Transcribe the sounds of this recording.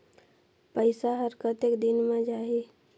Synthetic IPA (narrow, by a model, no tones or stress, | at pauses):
pəɪsaɦəɾkət̪eːkd̪ɪnmẽd͡ʒaːɦe